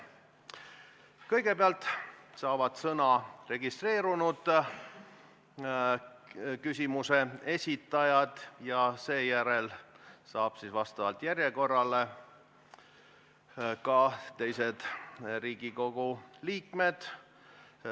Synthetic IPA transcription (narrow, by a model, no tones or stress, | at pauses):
kɤjɡe̞peɑlt̪ːˑsɑːvɑd̪̥sɤnɑre̞ɡist̪re̞ːɾunud̪̥ | kysʲimuse̞e̞sʲit̪ːˑɑjɑd̪̥jɑse̞ːjæɾelsɑːb̥sisvɑst̪ɑvɑlt̪jæɾjeko̞rːɑle̞ | kɑt̪e̞jse̞d̪̥ɾiːɡ̥iko̞ɡ̥uliːkme̞d̪̥